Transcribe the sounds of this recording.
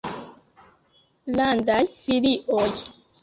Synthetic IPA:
landajfiliʔoj

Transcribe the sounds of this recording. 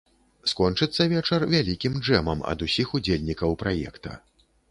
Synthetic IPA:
skɔnt͡ʂɨt̪sːɐvʲɛt͡ʂɐrvʲalʲikʲimd͡ʐɛmɐmɐ̰d̪usʲixud͡zʲelʲnʲikɐwpɾajɛ̰kt̪ɐ̰

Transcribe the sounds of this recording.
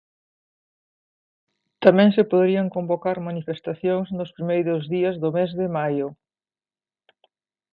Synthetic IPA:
t̪amɛ̃ŋsɪpoðeɾiaŋkombokaɾmanifest̪aθjoŋznʊspɾimejɾʊzðiɐzðʊmezðɪmajʊ

